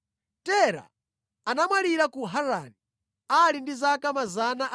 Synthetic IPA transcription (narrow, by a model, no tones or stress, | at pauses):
tɛɾa̰ː | namwaliɾakuɦaɾani | alindizakamazanaʔ